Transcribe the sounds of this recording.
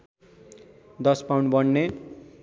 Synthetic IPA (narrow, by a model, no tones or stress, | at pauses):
d̪ʌspawɳɖbʌnːe